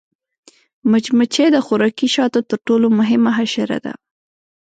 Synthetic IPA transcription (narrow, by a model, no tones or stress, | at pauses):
mʊt͡ʃmat͡ʃed̪əxʊɾɑkiʃɑt̪ot̪əɾʈolomʊɦɪmaɦaʃaɾa̰d̪a̰